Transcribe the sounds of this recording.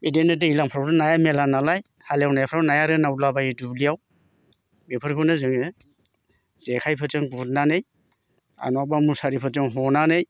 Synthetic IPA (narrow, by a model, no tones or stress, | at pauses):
bedenɯtɯilaŋpʰɾawɾɯnajamelanalaj | halejawnajapʰɾawnajaɾɯnawlabaidublijaw | bepʰɯɾkʰɯwnɯzɯŋɯ | z̥ekʰajpʰɯt͡ʃɯŋbut̚nanɯj | a̰nabamusaɾipʰɯzɯŋɦɔnanɯj